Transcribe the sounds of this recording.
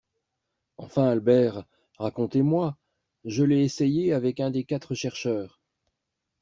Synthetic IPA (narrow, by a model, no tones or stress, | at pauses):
ɑ̰̃fɛ̃albɛʁː | akɔ̃t̪emwa | ʒəlɛesejeavɛkɛ̃d̪ekat̪χəʃɛʁʃœːʁ